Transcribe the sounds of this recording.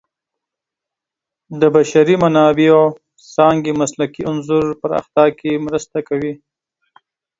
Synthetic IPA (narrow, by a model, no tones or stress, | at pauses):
d̪əbaʃaɾimanɑbeo | sɑŋɡemaslakiʊnzuɾpəɾa̰xt̪ɑkemɾəst̪akawi